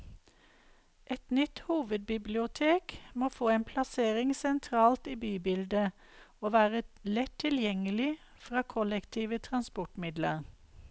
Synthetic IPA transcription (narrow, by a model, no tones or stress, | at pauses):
ʔɛt̪nʏt̪huːʋəd̪̚bɪblɪʊt̪ʰeːkmoːfoːeːnpʰlɑseːʁɪŋsɛnt̪ʰʁɑːlt̪iːbyːbɪld̪ə | oːʋæːʁəlɛt̪ʰɪljɛŋəlɪ | fʁɑːkʰɔlɛkt̪ʰiːʋət̪ʰʁɑnspɔʈmɪd̪lə̰ʁ